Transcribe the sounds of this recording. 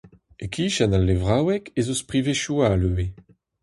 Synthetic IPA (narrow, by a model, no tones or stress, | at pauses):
ekʰiːʃanalːevʁawɛkezospʁiveʃualøːe